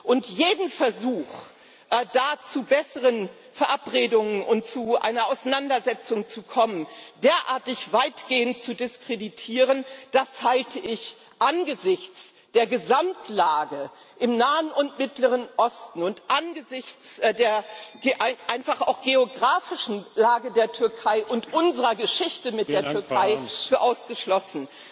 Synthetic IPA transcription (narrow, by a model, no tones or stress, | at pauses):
ʔʊntjeːdn̩fɛɐzuːx | ʔd̥aːt͡subɛsəʁ̞ən | fɛɐʔapʁeːdʊŋənʊntt͡suʔa̰ɪnɐaʊsanandɐzɛt͡sʊŋt͡sukʰɔməndeːɐʔaːɐtɪçv̥aɪtɡ̥eːəntt͡sudɪskʁ̥editʰiːʁənd̥ashaltʰəʔɪç | ʔanɡəzɪçt͡s | d̥eːɐɡəzamtlaːɡə | ʔɪmnaːənʊntmɪtləʁ̞ənʔɔstn̩ʊntʔanɡəzɪçt͡sdeːɐɡʔaɪʔaɪnfaχa̰ʊxɡ̥eoɡʁaːfɪʃn̩laːɡədeːɐtʰʏɐkʰaɪʔʊntʔʊnzəʁɐɡəʃɪçtəmɪt̚dd̥eːɐtʏɐkʰaɪfyːɐʔaʊsɡ̥əʃlɔsn̩